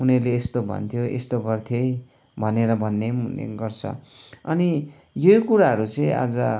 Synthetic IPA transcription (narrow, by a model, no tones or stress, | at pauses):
unʌrleːst̪obʱʌ̰nt̪ʰjoʔḛst̪oɡʌrt̪ʰjʌj | bʱʌneɾʌbʱʌnːeunḛɡʌrt͡sʰʌ̰ʌnijojkuɾaɦʌɾut͡sʌĩa̰d͡zʌ